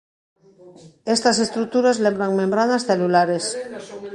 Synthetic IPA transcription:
est̪asest̪ɾuk̚t̪uɾazlembɾaŋmẽmbɾaðasθelulaɾes

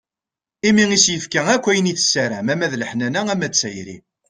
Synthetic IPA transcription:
imiŋisjəfkæækʷːæjəniθə̥sːæɾæmæmæðləħnænææmæt͡sːæjɾḭ

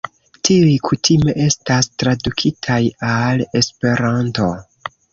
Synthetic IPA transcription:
tiujkʰutʰime̞ʔe̞stastɾadukʰitʰajale̞spe̞ɾanto̞

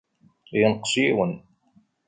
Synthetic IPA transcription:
jənqsjiwən

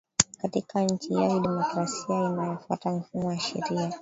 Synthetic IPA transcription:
katikaɲ̩t͡ʃiijakiɗɛmɔkɾasiainajɔfwatam̩fumɔjaʃɛ̰ɾia

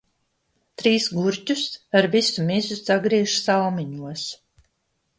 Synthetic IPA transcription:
t̪ɾiːsɡuɾcusaɾvisumizusaɡɾiːʃsalˠmiɲuɔs

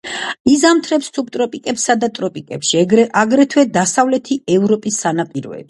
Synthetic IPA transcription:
izamt̪ʰɾɛpssʰup̚t̪ʼɾɔpʼikʼɛpsad̪at̪ʼɾɔpʼikʼɛpʃiaɡɾɛt̪ʰwɛd̪asavlɛt̪ʰiɛvɾɔpʼisːanapʼiɾɔ̰ɛ̰b̥

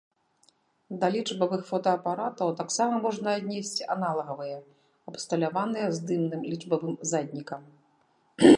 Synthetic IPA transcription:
d̪ɐlʲit͡ʂbɐvɨxfɔt̪ɐːpaɾat̪ɐwt̪aksamɐmɔʐnɐːd̪ʲnʲesʲt͡sʲiʔanalˠɐɣɐvɨjɛ | ɐpst̪ɐlʲavanɨjɛzd̪ɨmnɨmlʲiʐbɐvɨmzad̪ʲnʲikɐm

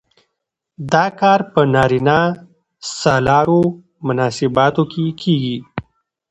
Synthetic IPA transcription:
d̪ɑkɑːɾpənɑːɾina | sɑlɑɾo | mʊnɑːsɪbɑt̪okʰekʰeːɡi

